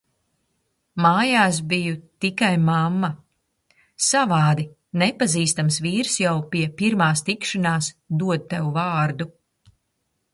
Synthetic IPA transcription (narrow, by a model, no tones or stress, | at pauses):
maːjaːs̬bijut̪ikajmamːa | savaːd̪i | nɛpaziːst̪amsviːɾsjawpiɛpiɾmaːst̪ikʃanaːsd̪uɔd̪̚t̪ɛwuvaːɾd̪u